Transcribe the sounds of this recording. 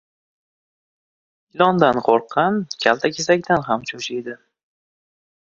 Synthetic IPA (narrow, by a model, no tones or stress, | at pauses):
ɪlɒnd̪anqʰoɾqʰːɑnkʲʰalt̪ʰakʲe̞sakʲt̪anɦamt͡ʃʰoʃijd̪ɪ